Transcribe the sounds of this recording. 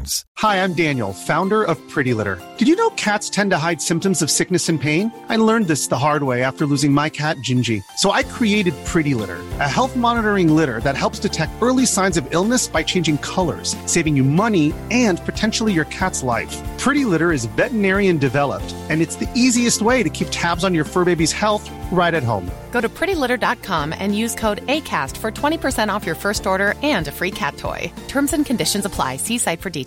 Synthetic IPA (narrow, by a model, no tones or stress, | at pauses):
z̥haɪãɪ̃mdæ̃njl̩ˠfãʊ̃ndə˞ʔʌv̥pʰɹ̥ɪɾilɪ̰ɾə̰˞d̥ɨd͡ʒjɨnoʊkʰætstʰɛ̃ntɨɦaɪd̥sɪ̃mp̚tɨ̃mzʌv̥sɪk̚nɨsɨ̃npʰẽɪ̃n | aɪlɜ̃˞nðɪsðəɦɑɹd̚weɪæftə˞lʉzɪ̃ŋmaɪkʰæt̚d̥ʒ̥ɪ̃nd͡ʒisoʊʔaɪkʰɹ̥ieɪɾɨd̚pʰɹ̥ɪɾilɪ̰ɾə̰˞ɨɦɛlˠθmɑnəɾə˞ɪ̃ŋlɪɾə̰˞ðɨt̚ɦɛlˠpstɨtʰɛk̚tɜ˞lˠisãɪ̃nzʌvɪlˠnɨsb̥aɪt͡ʃʰẽɪ̃nd͡ʒɪ̃ŋkʰʌlˠə̰˞z̥seɪvɪ̃ŋjɨmʌniɨ̃npʰɨtʰɛ̃nʃl̩ˠijə˞kʰætsla̰ɪfpʰɹ̥ɪɾilɪɾə˞ɨzvɛʔənɛɹiɨ̃ndɨvɛlˠə̰p̚tɨ̃nɨtsðiiziɨst̚weɪɾɨkʰip̚tʰæbzn̩jə˞fɜ˞beɪbiz̥hɛlˠθ | ɹaɪɾɨt̚ɦõ̰ʊ̃mɡ̥oʊɾɨpʰɹ̥ɪɾilɪɾə˞dɑt̚kʰɑ̃mɨ̰̃njʉz̥kʰoʊɾeɪkʰæ̰stfə˞tʰw̥ɛ̃ɾ̃ipʰə˞sɛ̃ɾ̃ɔfjə˞fɜ˞stɔɹɾə˞ɨ̃nɨfɹikʰæ̰tʰɔ̰ɪtʰɜ̃˞mzɨ̃nkʰɨ̃n̩dɪʃɨ̃n̩zəpʰl̥a̰ɪsisaɪtfə˞di